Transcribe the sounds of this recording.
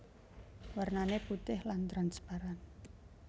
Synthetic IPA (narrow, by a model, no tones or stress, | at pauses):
warnaneput̪ɪhlant̪ɾanspaɾan